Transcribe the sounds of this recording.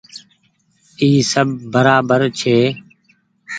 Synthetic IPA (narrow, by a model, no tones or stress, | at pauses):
iːsəb̚ʱːəɾaːbəɾt͡ʃʰeː